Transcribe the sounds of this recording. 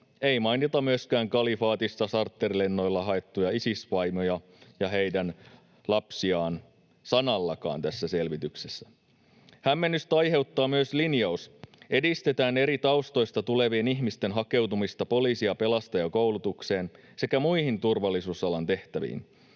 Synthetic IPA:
e̞imɑjnit̪ɑmyøskæːŋkɑlifɑːt̪ist̪ɑsɑrt̪ːerle̞nːo̞jlːɑɦɑe̞t̪ːujɑisisʋɑjmojɑ | jɑɦe̞jdæn | lɑpsiɑːn | sɑnɑlːɑkɑ̰ːnt̪æsːæse̞lʋit̪ykse̞sːæ | hæmːenːyst̪ɑjhe̞wt̪ːɑːmyøslinjɑusʔedist̪e̞t̪æːne̞ɾit̪ɑwst̪o̞jst̪ɑt̪ule̞ʋieniçmist̪e̞nɦɑke̞wt̪umist̪ɑpo̞liːsiɑpe̞lɑst̪ɑjɑkowlut̪ukse̞ːn | se̞kæmuihint̪urʋɑlːˑisuːsɑlɑnt̪e̞ht̪æʋḭːn

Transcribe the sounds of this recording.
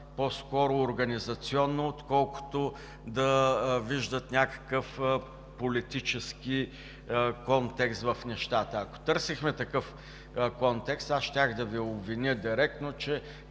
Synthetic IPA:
pɔskɔɾʊːɾɡɐnizɐt̪siɔnːoːt̪kɔlˠkʊ̥t̪o | d̪ɐviʒd̪ət̪nʲakə̥kəf | polit̪it͡ʃɛski | kɔnt̪ɛkst̪vɐfnɛʃt̪at̪əɐko̥t̪ɤɾsixmɛt̪ɐkɤf | kɔnt̪ɛkst̪asʃt̪ʲaxd̪ɐviobvinʲəd̪ʲiɾɛk̚t̪not͡ʃɛ

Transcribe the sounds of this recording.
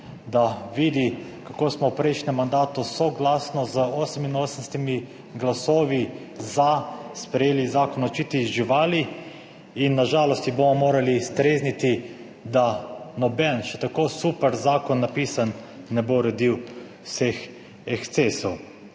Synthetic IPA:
d̪aʋiːd̪ikakoːsmɔwpɾɛɪʃnɛmːand̪aːt̪usɔɡlaːsnɔzəoːsɛminoːsənst̪imi | ɡlasoːʋi | zaspɾɛjeːlizaːkɔnɔt͡ʃiːt̪izʒiʋaːli | inːaʒaːlɔst̪ibomɔmoːɾalist̪ɾeːznit̪i | d̪anɔbɛnʃɛt̪akoːsuːpɛɾzaːkɔnːapiːsanː | ɛboɾɛd̪iw | wsex | ɛkt̪sesɔw

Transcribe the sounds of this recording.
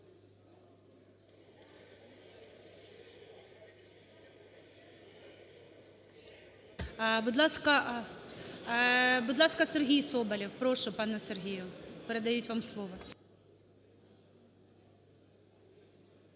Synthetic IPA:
bud̪lˠɑskɐ | bud̪lˠɑskɐserɦʲijsɔbɐlʲiwpɾɔʃʊpɑnɛserɦʲijʊpeɾed̪ɐjutʲʋɑmslˠɔʋɔ

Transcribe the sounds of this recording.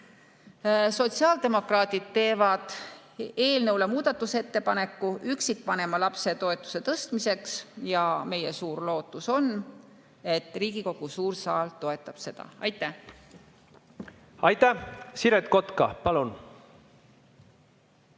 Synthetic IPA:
so̞t̪siɑːld̪e̞mo̞krɑːt̪id̪̥̚t̪e̞ːvɑd̪̥ | e̞ːlnɤwle̞muːd̪̥ɑt̪ːˑuse̞t̪ːe̞pɑne̞kːuyksikːpɑne̞mɑlɑpse̞t̪o̞e̞t̪ːˑu̥se̞t̪ɤst̪mise̞ksjɑme̞je̞suːrlo̞ːt̪ːˑuso̞n | e̞t̪ːˑriːɡ̥iko̞ɡ̥usuːrsɑːlt̪o̞e̞t̪ːˑɑb̥se̞d̪̥ɑ̰ɑ̰jt̪ːˑæ | ɑjt̪ːæsiɾet̪̚ko̞t̪kɑ̰pɑlun

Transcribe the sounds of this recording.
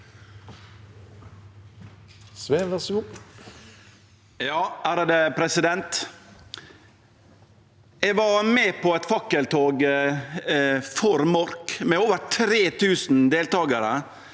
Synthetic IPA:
sʋeːʋɛsʊ | jɑːʔæːɾəd̪ɛpʰɾɛsɪd̪ɛnt̪ | ɛɡʋɑɾmɛːpʰɔɛt̪fɑkːəlt̪ʰoːɡ | fɔɾmɔɾkmɛoːʋəɾʈʰɾeːt̪ʰʉːsn̩d̪eːlt̪ɑːɡɑɾə

